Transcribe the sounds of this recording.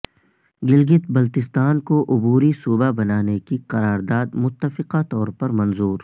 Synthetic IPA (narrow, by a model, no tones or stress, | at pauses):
ɡɪlɡɪt̪bɐlt̪ɪst̪aːnkoʔʊbuːɾisuːbabɐnaːnekiqɐɾaːɾd̪aːd̪mʊt̪ːəfɪqat̪ɔːɾpɐɾmɐ̃nzuːɾ